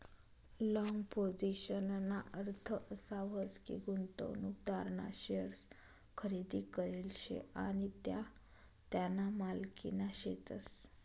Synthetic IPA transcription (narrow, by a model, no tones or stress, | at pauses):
lɔŋɡpod͡ziɕənnaʔəɾt̪ʰəʔəsaʋəskḭɡunt̪o̰nukd̪ʱaɾɳa̰ɕəɾs | kʰəɾed̪ikəɾelɕḛaɽ̃it̪ja | t̪janamalkḭnaɕet̪əs